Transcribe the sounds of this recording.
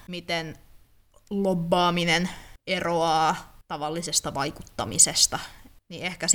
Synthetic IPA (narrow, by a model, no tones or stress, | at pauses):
mit̪en | lobːɑːmineneroɑːt̪ɑʋɑlːisest̪ɑʋɑikut̪ːɑ̰mḭsest̪ɑniehkæs